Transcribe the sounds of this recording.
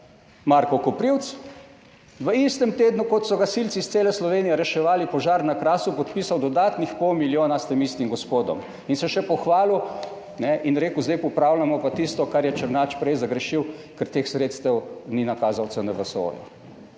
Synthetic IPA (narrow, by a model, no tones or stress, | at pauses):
maɾkɔkɔpɾiwt̪s | ʋəist̪ɛmt̪eːd̪nukɔt̪sɔɡasiltsist̪seːlɛslɔʋeːnijɛɾɛʃɛʋaːlipɔʒaːɾnakɾaːsupɔt̪pisawd̪ɔd̪aːt̪nixpɔwmiljoːnast̪emist̪imɡɔspoːd̪ɔ̰m | insɛʃɛpɔxʋaːlu | nɛʔinɾeːkuzd̪ɛjpɔupɾaːwlamɔpat̪ist̪ɔkaɾjɛt͡ʃəɾnaːt͡ʃpɾɛjzaɡɾɛʃiwkɛɾt̪eːxsɾet̪st̪ɛwninakaːzawt̪sɛnɛʋəso̰ːjṵ